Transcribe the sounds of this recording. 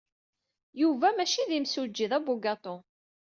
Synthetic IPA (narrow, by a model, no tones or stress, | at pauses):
juvæmæʃiðimsud͡ʒːiðæbuɡɑt̪ˤo